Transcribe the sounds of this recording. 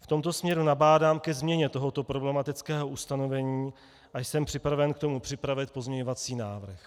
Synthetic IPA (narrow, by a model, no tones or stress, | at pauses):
ft̪o̞mt̪o̞smɲɛɾunabaːdaːmkɛzmɲɛɲɛt̪o̞ɦo̞t̪o̞pɾo̞blɛmat̪ɪt͡skɛːɦo̞ʔust̪ano̞vɛɲiː | ʔajsɛmpr̝̥ɪpɾavɛnkt̪o̞mupr̥ɪpɾavɪt̪̚po̞zmɲɛɲo̞vat͡siːnaːvr̩x